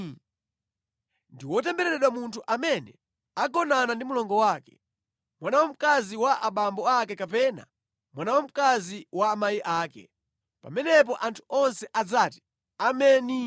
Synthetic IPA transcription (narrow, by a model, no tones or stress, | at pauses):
ndiwɔt̬ɛmbɛɾɛɾɛɗwamuntʰuʔamɛnɛ | aɡɔnanandimulɔŋɡɔwaːkɛ̥̰ | mwanawam̩kaziwaʔaɓambɔakɛkapɛna̰ | mwanawam̩kaziwaːmajiʔaːkɛ̰ | pa̰mɛnɛp̬ɔʔantʰu̥ɔnsɛʔad͡zaːti̥ | amɛːni